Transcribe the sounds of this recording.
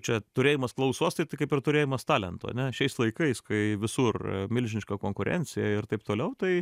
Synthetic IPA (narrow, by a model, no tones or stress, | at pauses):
t͡ʃʲɛt̪ʊɾʲeːjɪmɐsklˠɐʊsuːst̪ɐɪt̪ɐɪkɐɪpɪrt̪ʊɾʲeːjɪmɐst̪ɑːlʲɛnt̪ʊ̰ɐ̰nʲɛʃʲɛɪslˠɐɪkɐɪskɐɪʋʲɪsurmʲɪlʲʒʲɪnʲɪʃkɐkoːŋkʊɾʲɛ̰nʲt͡sʲɪjɛ̰ɪrt̪ɐɪp̚t̪oːlʲɛʊt̪ɐɪ